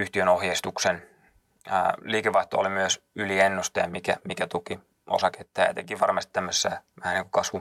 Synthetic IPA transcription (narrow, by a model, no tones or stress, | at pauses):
yht̪iønohjest̪uksen̰ː | liːkeʋɑiht̪oo̰limyøsylienːust̪ɑɑmikæmikæt̪uki | ʔo̰sɑket̪ːæːjɑ̰t̪ekiʋɑrmɑst̪i̥t̪æmːøsːæːʋæhæniːŋku̥kɑsʋu